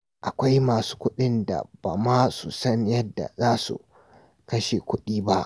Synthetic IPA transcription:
ʔa˨kʷa˦jmaː˨su̥ː˦kʷʊ˦ɗɪ˦nda̰˨b̥a̰ː˨maː˦su˨sɐ˦ɲjɐ˦dːa̰˨zaː˦sṵ˨ | kɐ˦ʃe˨kʷʊ˦ɗiː˦ba˦ʔ

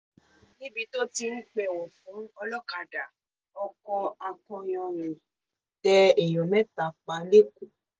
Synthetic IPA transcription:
nĩ˦bi˧to˦ti˧n̩˦k͡pɛ˨wɔ̃˨fũ˨˦ɔ˧lɔ˦ka˨da˨ | ɔ˧kɔ̃˧a˧kɔ̃˧j̃ɔ̃˧nĩ˨ | tɛ˧ɛ˨jɔ̃˨mɛ̃˦ta˨k͡pa˨˧le˦ku˦

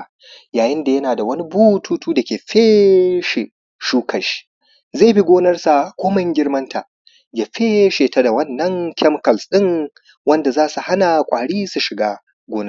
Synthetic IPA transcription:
jaː˨jɪ˦nda˨jɐ˦naː˨da˨wɐ˦ni˦buː˦tʰuː˦tuː˦da˨kʲeː˨ɸeː˦ʃe˨ | ʃuː˦kʰɐ˨ʃi̥˦˨ | ze˦˨bi˦ɡʷoː˦nɐ˦rsa˨kʷoː˦mɐ˦ŋɡʲɪ˦rmɐ˦ntʰa˨ | ja˨ɸeː˦ʃeː˨ta˦da˨wɐ˦nːɐ˦ŋkʲɛ˦mkɐ˨lsɗɪ˦ŋ | wɐ˦nda˨zaː˦su˨ha˦na˨kʷʼaː˨ɽiː˦su˨ʃɪ˨ɡaː˦ | ɡʷoː˦nɐ˦

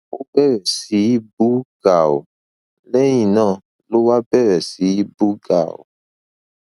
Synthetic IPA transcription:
wo˦bɛ˦wɛ˨si˨ji˦bu˦ɡ̥a˨wo̰˨ | le˦ɲĩ˨nã˦˨ | lo˦wa˦bɛ˦ɾɛ˨si˨˦i˦bu˦ɡa̰˨wo̰˨

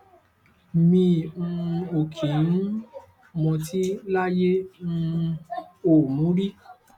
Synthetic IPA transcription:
mĩ˧ũ˧o˨kʰĩ˨n̩˦ | mɔ̃˧ti˦la˦je˦ũ˧ | o˨mũ˨˦ɾi˦

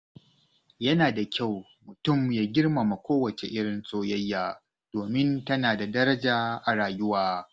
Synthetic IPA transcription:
jɐ˦naː˨da˨kʲa˦˨w | mʊ˨tʊ˦˨mjaː˦ɡʲɪ˦rma˨ma˨kʷoː˦wɐ˨t͡ʃe˨ʔɪ˦ɽɪ˨nsʼoː˦jɐ˦jːaː˨ | d̥oː˨mɪ˦ntɐ˦naː˨da˨dɐ˦ɾɐ˦d͡ʒaː˨ʔa˨ɾaː˨jʊ˦waː˦

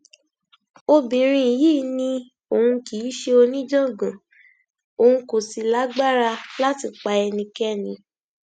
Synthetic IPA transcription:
o˧bĩ˨ɾ̃ĩ˧i˨jiː˦˨nĩ˧ | o˨ũ˧ki˨˦ʃe˧o˧nĩ˦d͡ʒɔ̃˦˨ɡã˨ | o˨hũ˧ko˨si˨˧la˨˦ɡ͡ba˦ɾa˧la˦ti˧˨k͡pa˧ɛ˧nĩ˧kɛ˦nĩ˨˦

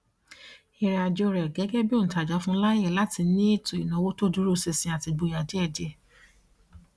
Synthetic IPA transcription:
i˧ɾɛ˨a˨d͡ʒo˧ɾɛ˨ɡɛ˨˦ɡɛ˦bi˦o˦n̩˨ta˨d͡ʒɔ˨˧˦fũ˦la˦e˦˨la˨˦ti˧˦nĩ˦e˦˨to˨i˨nã˨˦wo˦to˦˨du˨˦ɾu˦˨se˧sĩ˧a˨ti˧bo˨˧˨ja˨d͡ʒe˨˦ɛ˦˨d͡ʒɛ˧

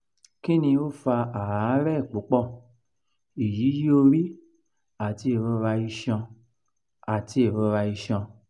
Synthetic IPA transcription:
ki˦nĩ˧o˦fa˧a˨a˨˦ɾɛ˦i˦˨k͡po˨˦k͡pɔ˦˨ | i˨ji˨˦ji˦o˧ɾi˦ | a˦˨ti˧˦e˨ɾɔ˧ɾa˧i˧ʃã˧ | a˨ti˧e˦˨ɾo˨˧ɾa˧i˧ʃã˧

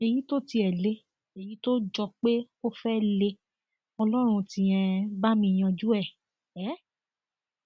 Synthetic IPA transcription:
e˨ji˨˦to˦ti˧ɛ˨le˧˦ | e˨ji˨˦to˦d͡ʒɔ˧k͡pe˦ko˦fɛ˦le˧ | ɔ˧lɔ˦ɾ̃ũ˧tĩ˧˦ɛ̃˧ba˦mĩ˧˨j̃ã˧d͡ʒu˦ɛ˦˨ | ɛ˨˦

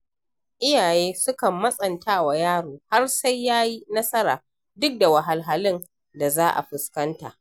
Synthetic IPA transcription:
ʔɪ˦jaː˨jeː˦sʊ˦kɐ˨mːɐ˦sʼɐ˨ntaː˦wa˨jaː˦ɽoː˨ha˦rsa˦jːaː˦ji˦nɐ˦sɐ˦ɾaː˨ | dʊ˦k̚da˨wa˨ɦa˨lɦa˨lɪ˦n | da˨zaː˦ʔa̰˨ɸɪ˨skɐ˦nta̰ː˨ʔ

